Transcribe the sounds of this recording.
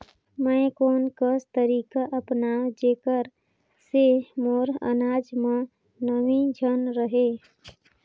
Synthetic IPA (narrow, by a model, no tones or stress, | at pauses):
məkoːnkəst̪əɾiːkaʔəpnad͡ʒeːkəɾ | semoɾə̰naːd͡ʒmẽ | nəmĩd͡ʒʱənɾəɦe